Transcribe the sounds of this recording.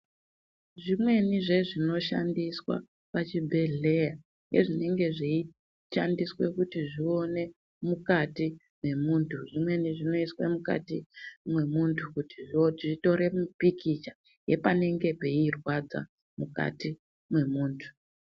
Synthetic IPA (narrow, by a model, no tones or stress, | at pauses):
ʐimwe̞niʐe̞ʐino̞ʃa̰ndiswa̰ | pat͡ʃibʱe̞ɮe̞ja | ŋɡe̞̰ʐine̞ŋɡe̞ʐii | ʃandiswe̞kutiʐio̞ne̞ | mukati | mwe̞muːntʰuʐimwe̞niʐino̞iswḛmuka̰timwe̞muntʰukutiiʐito̞ɾe̞mupikit͡ʃa | je̞pane̞ŋɡe̞pe̞irwad͡za̰ | muka̰ti | mwe̞muːntʰu̥